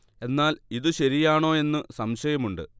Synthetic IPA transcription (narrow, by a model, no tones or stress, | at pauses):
e̞nːaːliðɨɕɐɾijaːɳo̞ːe̞nːɨsɐmɕɐjɐmuɳɖɨ̰